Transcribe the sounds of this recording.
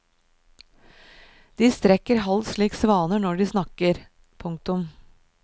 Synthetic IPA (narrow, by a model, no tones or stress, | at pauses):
d̪̥iːst̪ɾɛkəɾɦɑlsɭiːksʋɑːnənɔɖiːsnɑkəɾ | pʰʊŋk̚t̪ʊm